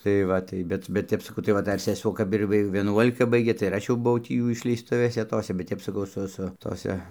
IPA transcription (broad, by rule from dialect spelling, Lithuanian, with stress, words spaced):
tɐɪ ˈʋɐ tɐɪ ˈbʲɛt bʲɛt ˈtʲɛp sɐˈkɐʊ tɐɪ ˈʋɐ ˈdɐr sʲɛˈsuɔ ˈkɐp ɪr ˈʋʲɪ ʋʲiɛˈnuɔlʲɪkɐ ˈbɐɪɡʲeː tɐɪ ɪr ˈɐʃ jɛʊ bʊˈʋɐʊ ˈtʲiː ˈjuː ɪʃʲlʲɛɪsˈtʊʋʲeːsʲɛ ˈtoːsʲɛ bʲɛt ˈtʲɛp sɐˈkɐʊ ˈsʊ ˈsʊ toːˈsʲɛ